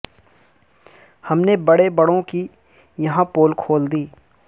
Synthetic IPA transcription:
hɐmnebɐɽebɐɽõki | jɐɦãpoːlkʰoːld̪iː

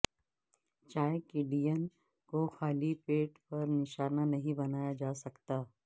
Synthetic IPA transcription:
t͡ʃaːekɪɖijən | koxaːlipeːʈpɐɾnɪʃaːnanɐɦĩbɐnaːjad͡ʒaːsɐkt̪aː

